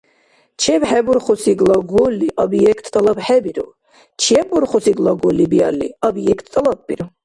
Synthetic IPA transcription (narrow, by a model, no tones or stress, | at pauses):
t͡ʃʰɛbħɛbɔɾχɔsʰiɡlaɡɔlːiʔabijɛkʰt̪ʰʼt̪ʼalabħɛbiɾɔ̰ | t͡ʃʰɛbɔɾχɔsiɡlaɡɔlːibia̰lːḭabjɛkʰt̪ʰʼt̪ʼalab̚ːʼiɾɔ